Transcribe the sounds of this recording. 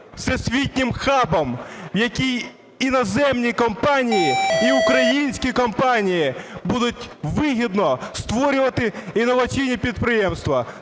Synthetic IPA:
sɛsʲʋʲitʲnʲɪmxabɐmwjɐkʲij | inɐzɛmnʲikɔmpanʲijiiukɾɐjinʲsʲkʲikɔmpanʲijibud̪ʊtʲʋɪɦʲid̪nɔst̪ʋɔɾʲʊʋɐt̪ɪinɔʋɐt͡sʲiwnʲipʲid̪̚pɾɪjɛmst̪ʋɐ

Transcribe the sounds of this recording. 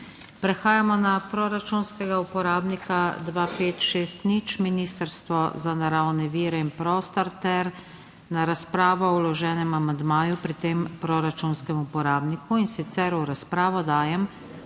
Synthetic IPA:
pɾɛxaːjamɔnapɾoɾat͡ʃunskɛɡaupɔɾaːbnikad̪ʋaːpeːt̪ʃeːst̪nit͡ʃminiːst̪əɾst̪ʋɔzanaɾawnɛʋiːɾɛinpɾɔːst̪ɔɾt̪ɛɾ | naɾaspɾaːʋɔɔwlɔʒɛːnɛmamand̪maːjupɾit̪eːmpɾɔɾat͡ʃunskɛmupɔɾaːbnikʰuinsit̪sɛɾuɾaspɾaːʋɔd̪aːjɛm

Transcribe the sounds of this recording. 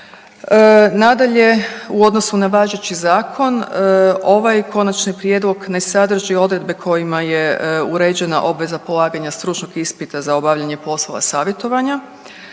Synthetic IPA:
nad̪aʎe̞uo̞d̪no̞sunaʋaʒet͡ɕizaːkʰo̞n | o̞ʋajkʰo̞nat͡ʃnipɾje̞d̪lˠo̞ɡne̞sad̪r̩ʒio̞d̪ɾe̞d̪̚be̞kʰo̞jimajeuɾed͡ʑe̞na̰ʔo̞bʋe̞zapolˠaːɡaɲast̪ɾut͡ʃnoɡispit̪azao̞baʋʎaɲe̞po̞slˠo̞ʋa̰saːʋje̞t̪o̞ʋaɲa

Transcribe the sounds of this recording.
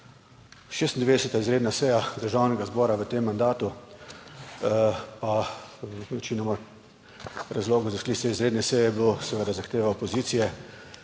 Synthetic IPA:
ʃeːst̪nd̪ɛʋeːd̪ɛsɛt̪aizɾeːd̪nasɛjad̪əɾʒawnɛɡazbɔːɾaʋət̪emːand̪aːt̪u | pa | nɛt͡ʃinɔmɔ | ɾazloːɡɔzasklisɛizɾeːd̪nɛsɛjɛblosɛʋəd̪azaxt̪eːʋaɔpɔziːt̪sijɛ

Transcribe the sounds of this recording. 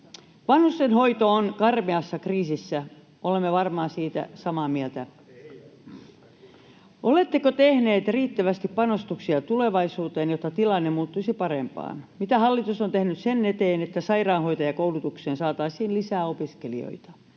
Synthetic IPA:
ʋɑnhust̪enho̞it̪oːnkɑrmeɑsːɑkriːsisːæ | olemːeʋɑrmɑːsiːt̪æ̰sɑmɑːmielt̪æ | ʔolet̪ːekot̪ehne̞ːt̪riːt̪ːæʋæst̪ippɑnost̪uksiɑt̪ule̞ʋɑisuːt̪eːnjot̪ːɑt̪ilɑnːemuːt̪ːuisipɑɾempɑ̰ːnmit̪æhɑlːit̪usont̪ehnytsenːet̪eːnet̪ːæsɑirɑːnɦo̞jt̪ɑjɑkowlut̪ukseːnsɑːt̪ɑisiːnlisæːopiskelḭo̰it̪ɑ̥

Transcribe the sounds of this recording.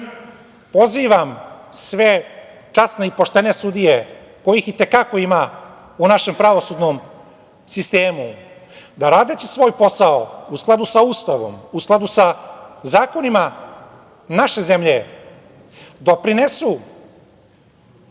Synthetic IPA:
po̞ziʋamsʋe̞ | t͡ʃasneipo̞ʃt̪e̞ne̞sud̪ije̞ | ko̞jixit̪e̞kako̞ima | unaʃe̞mpɾaʋo̞sud̪nom | sist̪eːmud̪aɾaːd̪et͡ɕisʋo̞ːjpo̞saousklˠad̪usauːst̪aʋo̞̰musklˠad̪usazaːko̞nima | naʃe̞ze̞mʎe̞ | d̪o̞pɾinesu

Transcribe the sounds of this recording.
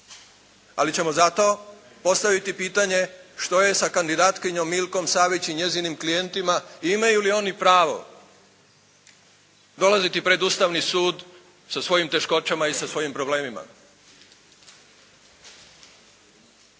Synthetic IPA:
a̰lit͡ɕe̞mo̞zat̪o̞ | po̞st̪aʋit̪ipiːt̪aɲe̞ʃt̪o̞je̞sakand̪id̪aːt̪kiɲo̞mːilko̞msaːʋit͡ɕiɲe̞zinimklije̞nt̪imaiimajulio̞nipɾaːʋo̞̰ | d̪o̞lazit̪ipɾe̞d̪uːst̪aʋnisuːd̪ | sasʋo̞jimt̪e̞ʃko̞t͡ɕamaisasʋo̞jimpɾo̞ble̞ːmima̰

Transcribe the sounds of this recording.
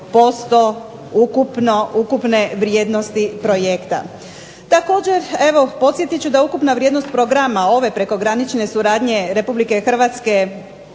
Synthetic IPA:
po̞st̪o̞ | ukupnoukupne̞ʋɾjed̪no̞st̪ipɾo̞je̞kt̪a̰ | t̪ako̞ːd͡ʑe̞ɾe̞ʋo̞po̞t̪sje̞t̪it͡ɕud̪aukupnaʋɾjed̪nost̪̚pɾo̞ɡɾamao̞ʋe̞pɾe̞ko̞ɡɾanit͡ʃne̞suɾaːd̪ɲe̞ɾe̞publike̞xr̩ʋat̪ske̞

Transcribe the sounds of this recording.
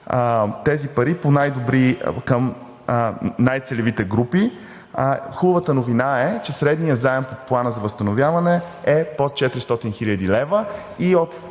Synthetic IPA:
t̪ɛzipɐɾiponajd̪obɾikəm | najt̪sɛlɛvit̪ɛɡɾupi | xubəvət̪ənovinaɛt͡ʃɛsɾɛd̪nijəzaɛmpoplˠanəzɐvəst̪ɐnovʲjavɐnɛɛpot̪̚t͡ʃɛt̪ɾist̪ɔt̪inxilʲəd̪ilɛvə | iot̪

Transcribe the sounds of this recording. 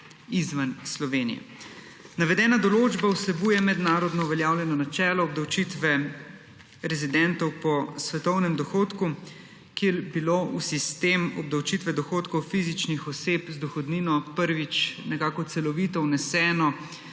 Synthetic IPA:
izʋanslɔʋeːnḭjɛ̰ | naʋɛd̪ɛːnad̪ɔloːd͡ʒbauslɛbuːjɛmɛd̪naːɾɔd̪nɔuʋɛljaːwljɛnɔnat͡ʃɛːlɔːb̚d̪awt͡ʃit̪ʋɛ | ɾɛzid̪ɛnt̪ɔwpɔsʋɛt̪ɔwnɛmd̪ɔxoːt̪ku | keɾbilousist̪emɔb̚d̪awt͡ʃit̪ʋɛd̪ɔxoːt̪kɔwfizit͡ʃnixɔseːpzd̪ɔxɔd̪niːnɔpəɾʋit͡ʃnɛkaːkɔt̪sɛlɔʋiːt̪ɔwnɛsɛːnɔ

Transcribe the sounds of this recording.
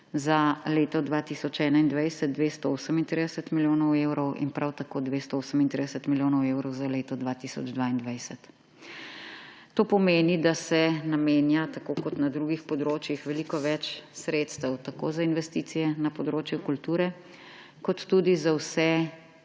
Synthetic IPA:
zaleːt̪ɔd̪ʋaːt̪isɔt͡ʃɛːnaind̪ʋajsət̪̚d̪ʋest̪ɔoːsəmint̪ɾid̪ɛsət̪miljoːnɔwewɾɔwḭnpɾawt̪akoːd̪ʋeːst̪ɔoːsəmint̪ɾid̪ɛsət̪miljoːnɔwewɾɔwzaleːt̪ɔd̪ʋaːt̪isɔ̰d͡ʒd̪ʋaːind̪ʋajsət̪ | t̪ːoːpɔmeːnid̪asɛnameːnjat̪akokɔt̪nad̪ɾuɡixpɔd̪ɾoːt͡ʃjixʋɛlikɔʋɛt͡ʃsɾeːt̪st̪əwt̪ako̰ːzainʋɛst̪iːt̪sijɛnapɔd̪ɾoːt͡ʃjukult̪uːɾɛ | kɔt̪ːud̪izawsɛ

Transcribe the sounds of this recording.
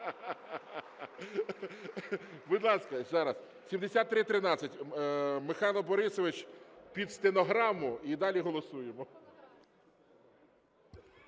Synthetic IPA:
bʊd̪lˠɑskɐzɑɾɐs | sʲimd̪esʲat̪ːɾɪt̪ɾɪnɑt͡sʲːɐtʲmɪxɑjlˠɔbɔɾɪsɔʋɪt͡ʃpʲid̪st̪enɔɦɾɑmʊid̪ɑlʲiɦɔlˠɔsujemɔ

